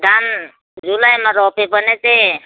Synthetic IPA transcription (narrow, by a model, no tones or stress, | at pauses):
d̪ʱan | ɾulajmaɾɔpebənet̪e